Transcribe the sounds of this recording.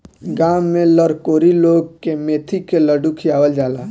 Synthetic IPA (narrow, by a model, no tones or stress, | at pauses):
ɡaːmːẽləɾkoːɾiloːɡ̚kemeːt̪ʰikeləɖukʰijaːʋəld͡ʒaːlaː